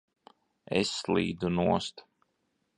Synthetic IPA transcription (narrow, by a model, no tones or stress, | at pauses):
ɛ̰sːlˠḭːd̪unuɔst̪